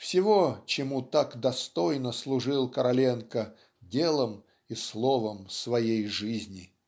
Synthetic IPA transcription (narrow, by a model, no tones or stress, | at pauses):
fsʲɪvot͡ɕɪmut̪akd̪ɐst̪o̞jnəslˠʊʐɨlˠkəɾɐlʲenkə | dʲelˠəm | islˠovəmsvɐjejʐɨzʲnʲɪ